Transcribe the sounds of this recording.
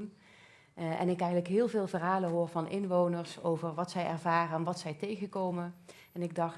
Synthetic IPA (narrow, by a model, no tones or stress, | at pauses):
n | ʔɛ̰nɪkɛjɣənləkɦɪːlˠvɪːlˠvərɦaːləɦoːɹvɑnʔɪnʋownəɹsowvəɹʋɑtsɛjɛɹvaːrəɛnʋɑtsɛjtejɣəkowmə | ɛnɪɡ̚dɑ